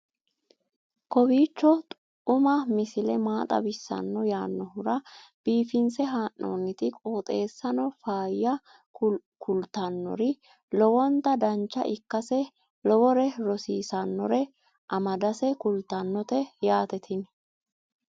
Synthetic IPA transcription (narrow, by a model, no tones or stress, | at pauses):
kɔbiːt͡ʃːɔt̪ʼ | ʊmɐmɪsɪlɛmaːt̪ʼɐ̰bɪsːɐ̰nːɔjaːnːɔhʊɾɐb̥iːfɪnsɛɦaːʔːo̰ːnːɪt̪ɪkʼo̞ːt̪ʼe̞ːsːɐnɔfaːjːɐ | kʰʊlt̪ɐnːɔ̰ɾɪ | lɔwɔnt̪ɐd̪ɐnt͡ʃːɐ̰ʔɪkːɐsɛ | lɔwɔɾɛɾɔsiːsɐnːɔɾɛ | ʔɐmɐd̪ɐsɛkʊlt̪ɐnːɔt̪ɛjaːt̪ɛt̪ʰɪn